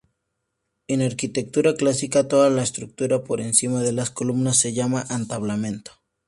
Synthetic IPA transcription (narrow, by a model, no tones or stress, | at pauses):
enaɾkit̪e̞k̚t̪uɾaklasikat̪o̞ðalaest̪ɾuk̚t̪uɾapo̞ɾe̞nsimaðe̞lasko̞lumnasːe̞ʝamaʔant̪aβlamẽ̞nt̪o̥